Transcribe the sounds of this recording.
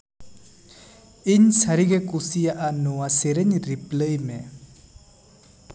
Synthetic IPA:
iɲsaɾiɡekusijaʔanuwaseɾeɲɾipləjme

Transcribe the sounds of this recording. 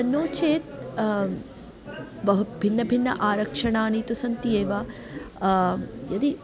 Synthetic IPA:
ɐnːoːt͡ʃeːt̪̚ | bɐɦubʱinːɐbʱinːɐ̰ʔaːɾɐkʂɐɳaːnit̪usɐnt̪ijeːʋɐ | jɐd̪i

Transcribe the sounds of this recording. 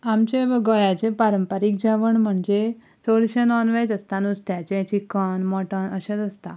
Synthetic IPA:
amt͡ɕeʋɡɔjat͡ɕẽpaɾəmpaɾik̚d͡ʑaʋəɳm̤əɳd͡ze | t͡səɽɕenɔnʋed͡zəst̪anut͡st̪jat͡ɕẽt͡ɕikːənmɔʈɔnəɕat͡səst̪a

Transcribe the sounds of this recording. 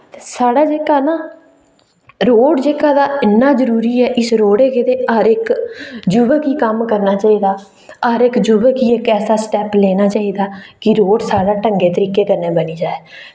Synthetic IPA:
saːɽaːd͡ʒeːkaːnãː | ɾoːɖd͡ʒeːkaːd̪aːɪnːaːzəɾuːɾiːɛːʔɪsɾoːɽeːked̪eːəɾɪkd͡ʒʊbəkiːkəmkəɾnaːt͡ʃaːiːd̪aː | əɾɪkd͡ʒʊbəkiːɪkɛːsaːsʈɛːplɛːnaːt͡ʃaːiːd̪aːkɪɾoːɖsaːɽaːʈəŋɡeːt̪əɾiːkeːkəɾnẽːbəniːd͡ʒaːɛː

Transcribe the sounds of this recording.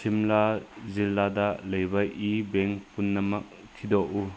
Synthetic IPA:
simlazilːadɐlɐjbɐʔibeŋpunːɐmɐk̚ | kʰːidɔʔu

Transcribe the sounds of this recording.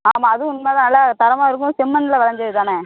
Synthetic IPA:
aːmaːɐðɯʊnmaːt̪ãːnɐlːat̪ɐɾɐmaːɪɾɯk̬ːʊ̃sɛmːɐnɪlɐʋɐlɐɲd͡ʒɐðɯt̪aːne

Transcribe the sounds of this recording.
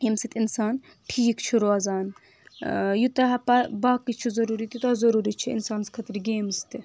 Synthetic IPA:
emsit̪ʲinsaːn | ʈʰijikt͡ʃʰuɾoɐzaːn | jut̪ɐɦɐpɐbaːkːit͡ʃʰizɐɾuːɾit̪jit̪ɐzɐɾuːɾit͡ʃʰiḭnsaːnskʰɐt̪ɾiɡʲeːmst̪i

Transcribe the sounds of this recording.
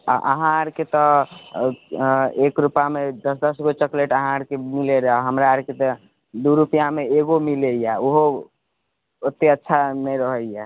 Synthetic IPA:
a̰ʔəɦãɾket̪ɔ | ekɾupamed̪əsd̪əsɡot͡ʃəkleʈəɦãɾkemileɾəɦɦəmɾaɾket̪ɔ | d̪uɾupjameeɡomilejaoɦo | ət̪ːeətːʃʰanəjɾəɦəija

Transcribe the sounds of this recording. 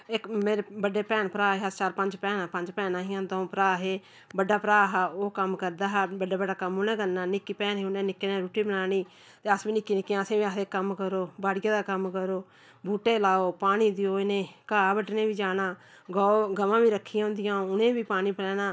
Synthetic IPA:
ɪkmeːɾebəɖeːpɛːnpəɾaːɦeːat͡ʃaːɾpəɲd͡ʒpɛːnaːpəɲd͡ʒpɛːnãːɦɪjãːd̪ɔ̃ːpəɾaːɦeː | bəɖaːpəɾaːɦaoːkəmkəɾd̪aːɦɛːbəɖaːbəɖaːkəmoːnɛ̃ːɡənnːaːnɪkːiːpɛːnɦeːʊnẽːnɪkːeːnẽːɾuːʈiːbənaːniː | t̪eːəsʋiːnɪkːiːnɪkːjãːəsẽːʋiaekːəmkəɾoːbaːɽɪjãːd̪aːkəmkəɾoː | bʱuːʈeːlaːoːpaːñiːd̪ɪoːɪnẽːkaːbəɖnẽːʋiːd͡ʒaːnaː | ɡɔːoːɡəʋãːʋiːɾəkʰːɪjãːʊ̃nd̪ɪjãːʊnẽːʋiːpaːniːpəɽɛːnaː

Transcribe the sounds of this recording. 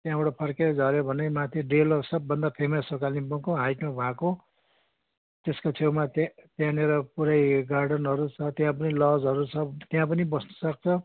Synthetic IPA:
t̪jãboɽapʰʌrked͡zʱʌɾjobʱʌnejmat̪ʰiɖelʌsʌbːʌnd̪apʰemʌsokalnibʌŋkoɦajʈmabʱãko | t̪eskot͡sʰewmat̪t̪jãneɾʌpuɾʌjɡarɖʌnɦʌɾut͡sʰʌt̪jãpʌnilʌd͡zɦʌɾut͡sʰʌt̪jãp̬ʌnibʌsnʌ̥sʌk̚t͡sʰʌ

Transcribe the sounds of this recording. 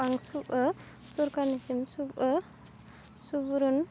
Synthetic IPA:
aŋsuə | suɾkanisimsub | subuɾɔn

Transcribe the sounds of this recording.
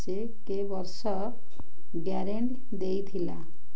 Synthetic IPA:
t͡ʃe | kebɔɾsɔ | ɡaɾeɳʈ | d̪ejt̪ʰila

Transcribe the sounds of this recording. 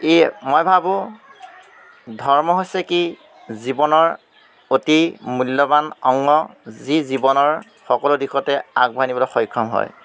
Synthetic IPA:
emojbʱabʊ̃ | dʱɔɹmɔɦojsɛki | zibɔnɔɹ | otimulːɔbanɔŋːɔzizibɔnɔɹ | xɔkɔlʊdixɔtɛaɡ̚bʱajnibɔlɔxɔjkʰɹɔmɦɔ̰j

